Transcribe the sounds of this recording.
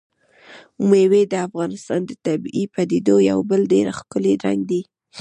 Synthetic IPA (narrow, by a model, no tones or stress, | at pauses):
mewed̪əafɣɑnɪst̪ɑnd̪ət̪abipad̪ed̪oja̰wbəlɖeɾaxkʊleɾa̰ŋɡd̪i